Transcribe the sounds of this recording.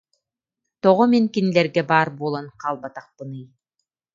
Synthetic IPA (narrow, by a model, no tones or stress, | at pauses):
t̪ɔʁɔmiŋkinilɛɾɡɛbaːɾbuɔlˠɔnqʰaːlˠbat̪aχpɯnɯj